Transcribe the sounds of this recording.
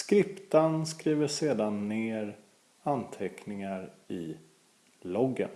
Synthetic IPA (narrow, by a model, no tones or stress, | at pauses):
skɾɪpt̪ənskɾiːvəʂeːd̪anːeːɾ | ant̪ʰɛknɪŋaɾɪ | lɔɡə̰n